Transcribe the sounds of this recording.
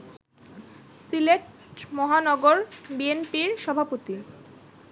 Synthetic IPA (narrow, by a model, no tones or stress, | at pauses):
sileʈ | mɔɦanɔɡoɾbienpiɾʃɔbʱapot̪i